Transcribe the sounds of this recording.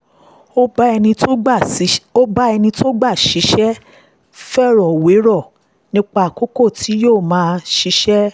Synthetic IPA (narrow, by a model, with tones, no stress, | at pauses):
o˦ɛ˧nĩ˧o˦˨˦o˦ba˦ɛ˧nĩ˧to˦ɡ͡ba˦˨ʃi˨˦ʃɛ˦ | fɛ˦˨ɾɔ˨we˨˦ɾɔ˦˨ | nĩ˦k͡pa˧˨ko˦ko˦˨ti˨˦joː˦˨mãː˨˦˧ʃi˨˧˦ʃɛ˦